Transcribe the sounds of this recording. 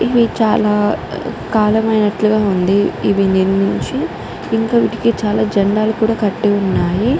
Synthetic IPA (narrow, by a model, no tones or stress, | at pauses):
iʋit͡ʃaːlaːkaːlɐmɐjnɐʈluɡaːund̪iːʋiniɾmiɲt͡ʃi | iŋkaːʋiːʈi̥kit͡ʃaːlaːd͡ʒɐɳɖaːlukuːɽaːkɐʈːeunːaːji